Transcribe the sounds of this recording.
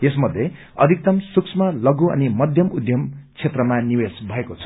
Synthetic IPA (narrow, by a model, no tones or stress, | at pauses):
esmʌd̪ʱːje | ʌ̰d̪ʱik̚t̪ʌmsuksʰmʌlʌɡuʌ̰nimʌd̪ʱjʌmud̪ʱjʌmt͡sʰet̪rʌmaniwesbʱʌekot͡sʰʌ̥